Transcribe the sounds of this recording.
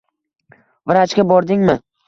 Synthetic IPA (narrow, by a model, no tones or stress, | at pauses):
vɪɾat͡ʃkʲabɒɾd̪ɪŋmɪ